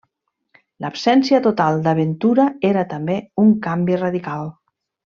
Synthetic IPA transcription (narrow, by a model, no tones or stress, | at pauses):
ləpsɛnsiət̪ot̪alˠd̪əβ̞ent̪uɾəeɾət̪əmbeuŋkambirəðikalˠ